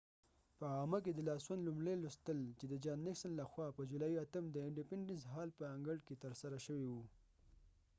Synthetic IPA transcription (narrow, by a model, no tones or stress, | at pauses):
pəɑmək̬ed̪əlɑswanlumɽelust̪əlt͡ʃed̪əd͡ʒɑnːɪksanlaxwɑpəd͡ʒulɑiat̪əmd̪əɪɳɖipɪɳɖənsɦɑlpəaŋɡəɽket̪əɾsaɾaʃəwiwu